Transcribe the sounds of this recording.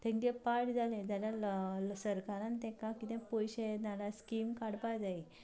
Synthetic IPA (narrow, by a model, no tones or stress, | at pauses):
t̪ɛ̃ŋkɛpaʈd͡zalɛ̃d͡zaljasəɾkaɾãnt̪ɛ̃kakit̪ɛ̃pɔjɕeetnaɾaskimkaɽpajd͡zai